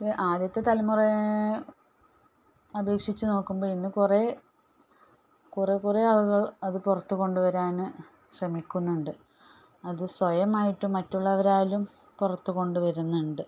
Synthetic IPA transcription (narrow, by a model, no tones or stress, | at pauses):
eʔaːd̪jɐt̪ːe̞t̪ɐlɐmurɐ | ɐbe̞ːkʂit͡ɕːuno̞ːkːumbo̞ːɭinːɨkure | kurekureɐɭuɣɐɭɐðɨpurɐt̪ːuɣo̞ɳɖuʋɐɾaːnɨ | ɕrɐmikʲːunːuɳɖɨ | ɐðɨswɐjɐmaːjiʈːumːɐtːuɭːɐʋɐɾaːlum | purɐt̪ːuko̞ɳɖuʋɐɾunːuɳɖɨ